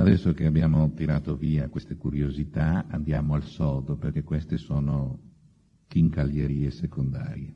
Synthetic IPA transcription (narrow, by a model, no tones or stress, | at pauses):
ad̪ɛsːokeabjaːmot̪iɾaːt̪oviːakwest̪ekuɾjozit̪aa̰nd̪jaːmoalsɔːd̪operkekːwest̪esoːno | kiŋkaljeɾiːesekond̪a̰ːɾje